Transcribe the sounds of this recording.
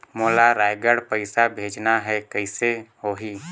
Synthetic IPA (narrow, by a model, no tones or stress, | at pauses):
moːlaɾaːjɡəɽpəɪsabʱeːd͡ʒnaɦɛkəɪseoːɦiː